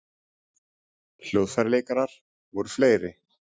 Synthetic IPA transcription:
l̥jowðfaɾlejkaɾaɾ̥ | vɔɾʏfleːjɾɪ

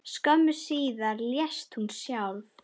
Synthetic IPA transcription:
skœmːʏsiːðaɾljɛst̪hunsjawlf

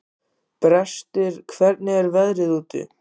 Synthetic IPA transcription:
pɾɛst̪ɪɾ̥kʰvɛɾt̪̚nɪɛɾvɛðɾɪðuːt̪ɪ̰

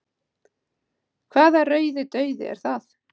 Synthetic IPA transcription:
kʰv̥aːðarœːɥðɪt̪œːɥðɪ̰ɛ̰ɾ̥θaθ

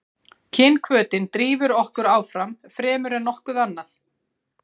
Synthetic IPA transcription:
cʰɪnkʰvœːt̪ɪnt̪ɾiːvʏɾɔhkʏɾaːwfɾamfɾɛːmʏɾɛnɔhkʏðanːaθ

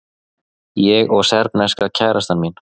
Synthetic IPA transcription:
jɛɣɔɣsɛɾpnɛskacʰaːjɾast̪anmin

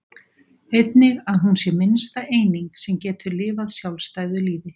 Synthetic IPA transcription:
ejt̪nɪɣaðɦunsjɛmɪnst̪aʔeːjniŋksɛmcɛːt̪ʰʏɾlɪːvaðsjawlst̪aːjðʏliːvɪ

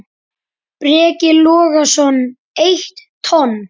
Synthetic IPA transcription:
pɾɛːcɪlɔːɣasɔn | ejht̪ʰːɔn

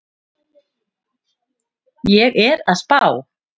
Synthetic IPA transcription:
jɛɣɛɾaðspaːw

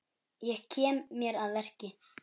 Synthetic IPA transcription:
jɛɣcʰɛːmːjɛɾaðvɛr̥cɪ

